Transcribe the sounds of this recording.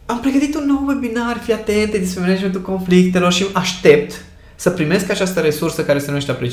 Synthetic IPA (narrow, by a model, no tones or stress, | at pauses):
ampɾe̞ɡət̪it̪unːo̞wwe̞binaɾrfiat̪e̞nt̪ed̪ismemenad͡ʒment̪ulko̞nflik̚t̪e̞lo̞rʃimaʃt̪e̞p̚t̪ | səpɾime̞skat͡ʃast̪əɾe̞sursəkaɾe̞senujeʃt̪eapɾet͡ʃ